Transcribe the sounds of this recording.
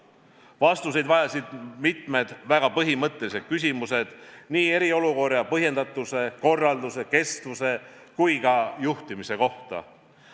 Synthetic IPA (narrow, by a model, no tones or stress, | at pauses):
vɑst̪use̞jd̪vɑjɑsid̪̥mit̪ˑme̞d̪̥væɡ̥ɑpɤɦimɤt̪ˑːe̞lise̞d̪̥̚kys̬ʲimuse̞d̪̥niːe̞ɾio̞luko̞rɑpɤɦje̞nd̪̥ɑt̪ːˑuse̞ko̞rːɑld̪use̞ke̞st̪vuse̞kujkɑjuht̪imise̞ko̞ht̪ɑ̰